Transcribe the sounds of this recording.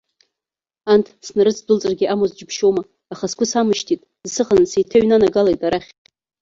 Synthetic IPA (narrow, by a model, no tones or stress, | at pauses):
antʰsnaɾɨt͡sʰdʊlt͡sʼarɡʲɪʔamozd͡ʒɪpʰʃomaː | χaskʷʰʊsamɨʃtʰitʼ | zsɨχansejtʰaɥnanaɡalajtʼaɾaχʲʼ